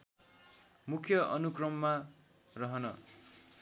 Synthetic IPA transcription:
mukʰjʌʔʌnukrʌmːa | rʌɦʌnʌ

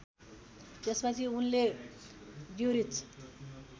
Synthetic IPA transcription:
t̪espʌt͡sʰiunle | djuɾit͡s

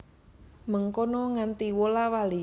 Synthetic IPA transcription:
məŋkonɔŋant̪iwolawali

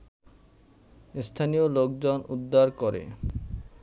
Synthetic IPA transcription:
st̪ʰanijolok̚d͡ʑonud̪ʱːaɾkoɾḛ

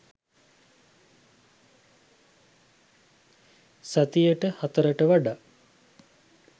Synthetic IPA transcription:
sat̪ijəʈəhat̪əɾəʈəʋaɖa

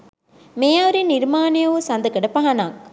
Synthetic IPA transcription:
mejaːʋɐɾinːiɾmaːnijɐʋusɐnd̪ɐkɐɖɐpɐɦɐnaːk̚

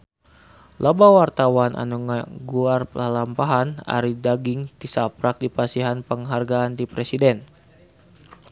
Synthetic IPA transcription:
lʔabawart̪awanʔa̰nuŋaɡuarpəlampaɦana̰ɾidaɡiŋt̪isapɾak̚dipasiɦanpəŋɦarɡaːnd̪ipɾesidɛn

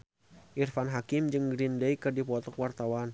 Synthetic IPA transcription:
ʔirfanɦakɪmd͡ʒɨŋɡɾindəjkɨrdipɔt̪ɔkwart̪awan

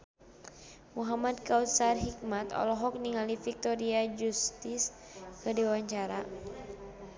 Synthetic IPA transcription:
muɦamad̪̚kaut̪sarɦik̚mat̪ɔ̰lɔɦɔk̚niŋalifik̚t̪ɔɾiad͡ʒust̪ɪs | kədiwaɲt͡ʃaɾa

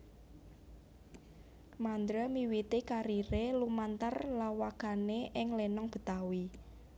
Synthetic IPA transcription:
mand̪ɾəmiwit̪ikaɾiɾelumant̪ərlawakaneʔɪŋlenɔŋb̥ə̤t̪awi

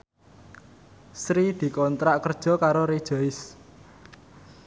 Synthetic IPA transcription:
sɾid̪̥i̤kɔnt̪ɾaʔkərd̥ʒ̥ɔ̤kaɾoɾed̥ʒ̥ɔ̤ɪs

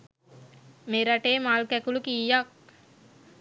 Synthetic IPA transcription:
meɾaʈeːmalkækulukijːak̚

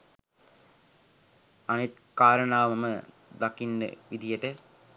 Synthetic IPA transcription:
anit̪ | kaːɾənaːʋəmɐmə | d̪akinːə̰ʋid̪ijəʈə

